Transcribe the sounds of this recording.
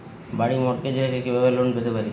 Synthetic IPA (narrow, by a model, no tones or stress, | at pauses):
baɽimɔʈ̚ked͡ʑeɾekekibabelonbet̪epaɾi